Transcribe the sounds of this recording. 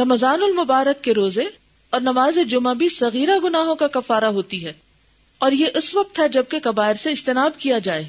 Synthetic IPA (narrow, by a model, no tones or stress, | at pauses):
ɾɐməzaːnʊlmʊbaːɾəkːeɾoːze | ɔːɾnɐmaːzed͡ʒʊmabʱisɐɣiːɾaɡʊnaːɦõkakɐfaːɾaɦoːt̪iɦɛː | ɔːɾjeʔʊsʋɐq̚t̪ɦɛd͡ʒɐb̚kekɐbaːɪɾseɪd͡ʒt̪ɪnaːbkijad͡ʒaːeː